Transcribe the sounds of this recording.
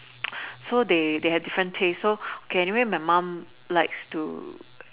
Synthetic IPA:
sodedehɛvdifɹə̃ntʰesːookʰeɛniwemaɪmãm | laɪkstṵ

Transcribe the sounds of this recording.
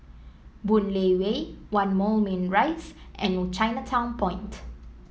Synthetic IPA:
bunlewewãnmolmĩnɹajsʔɛ̃nɔt͡ʃãjnətʰãw̃npʰɔ̃j̃nt

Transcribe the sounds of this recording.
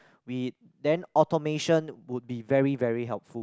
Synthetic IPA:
wi | dɛ̃nɔtɔmeʃə̃nwud̚bivɛɹivɛɹiɦɛlp̚fu

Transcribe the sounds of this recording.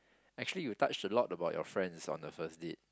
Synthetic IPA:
ɛk̚t͡ʃuəlijutat͡ʃtəlɔtəbaʊtjɔ̰fɹɛ̃nsɔ̰̃ndəfəsdet̚

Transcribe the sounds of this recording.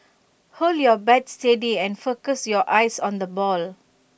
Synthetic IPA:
holjɔbɛtstediɛ̃nfokəsjɔʔaɪsɔ̃nd̪əbɔl

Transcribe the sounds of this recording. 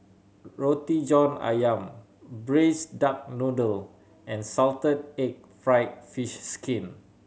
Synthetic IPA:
ɹotid͡ʒɔ̃na̰jãm | bɹesdak̚nudəl | ɛ̃nsaltəd̚ek̚fɹaɪt̚fiʃskʰĩn

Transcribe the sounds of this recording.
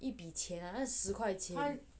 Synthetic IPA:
ʔipit͡ɕʰjɛnaaʂɻ̩kʰwaɪt͡ɕʰjɛn

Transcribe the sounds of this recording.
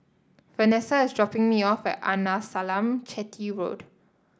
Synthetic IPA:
fənɛsəɪsdɹɔpɪ̃ŋmiɔfɛ̰ta̰nasalãmt͡ʃɛtʰiɹo̰d

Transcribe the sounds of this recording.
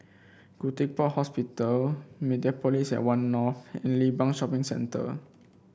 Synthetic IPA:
kutik̚pɔhɔspitəlmediapɔlisɛ̰ʔwãnːɔfɛ̰̃nlibãŋʃɔpĩŋsɛ̰̃ntə̰

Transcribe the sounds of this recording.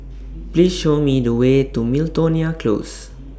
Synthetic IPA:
plisʃomidəwetumiltoniakʰlo̰s

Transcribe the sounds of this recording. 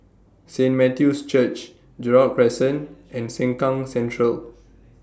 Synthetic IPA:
sẽnmɛtjust͡ʃət͡ʃ | d͡ʒɛɹapɹɛsə̃nɛ̃nsɛ̃ŋkãŋsɛ̃ntɹəl

